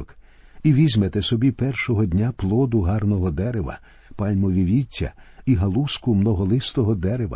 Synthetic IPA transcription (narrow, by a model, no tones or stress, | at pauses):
k | iʋʲizʲmet̪ɛsɔbʲipɛrʃɔɦɔdʲnʲaplˠɔd̪ʊɦɑrnɔɦɔd̪ɛɾeʋɐ̰ | pɑlʲmɔʋʲiʋʲitʲːɐ̰iɦɐlˠuskʊmnɔɦɔlˠɪst̪ɔɦɔd̪ɛɾeʋɐ̰